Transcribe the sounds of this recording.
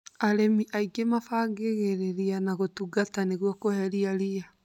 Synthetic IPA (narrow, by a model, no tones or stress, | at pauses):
aɾemiʔaiɡemafaɡeɣeɾeɾianaɣotuɡataneɣwɔkohɛɾiaɾia